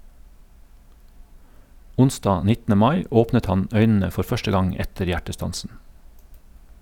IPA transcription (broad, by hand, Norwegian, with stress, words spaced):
ˈʊnˌsdɑː ˈnɪtn̩ə ˈmɑɪ ˈoːpnət ˈhɑn ˈœʏnn̩ə ˈfɔɾ ˈfœʃtə ˈɡɑŋ ˈɛtəɾ ˈjæʈəˌstɑnsn̩